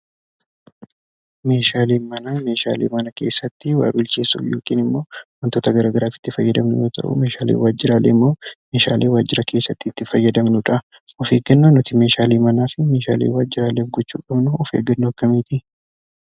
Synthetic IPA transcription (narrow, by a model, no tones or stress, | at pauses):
me̞ːʃaːleːnmɐnɐme̞ːʃa̰ːlḛːmɐnɐke̞ːsːɐt̪ːɪwa̰ːbɪlt͡ʃeːsṵjo̰ːkʼiːnɪmːo̞ːwɔnt̪oːt̪ɐɡɐɾaːɡɐɾaːfɪ̥t̪ːɪfɐjːɐd̪ɐmnʊjo̞ːt̪ʰɐ̰ʔʊ̰me̞ːʃaːlḛːwaːd͡ʒːɪɾaːlḛːɪmːo̞ːme̞ːʃa̰ːleːwaːd͡ʒːɪɾɐkʰe̞ːsːɐt̪ːɪːt̪ːɪfɐjːɐd̪ɐmnʊᶑɐ | ɔfe̞ːɡɐnːoːnɔt̪ɪme̞ːʃaːleːmɐnaːfɪme̞ːʃa̰ːlḛːwaːd͡ʒːɪɾaːleːfɡɔt͡ʃːṵːkʼɐbnʊɔfeːɡɐnːoɐkːɐmiːt̪ʰɪ